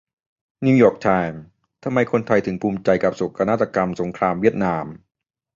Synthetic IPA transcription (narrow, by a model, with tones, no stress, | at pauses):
ni˧jɔː˨˩k̚t̪ʰaː˧n | t̪ʰa˧mːa˧jkʰo˧nt̪ʰa˧jt̪ʰɯ˩˦ŋpʰuː˧mt͡ɕa˧jka˨˩p̚so˨˩kʰːa˧naː˦˥˩t̪ʰːa˧ka˧mso˨˩˦ŋkʰɾaː˧mwi˥˩ət̪̚naː˧m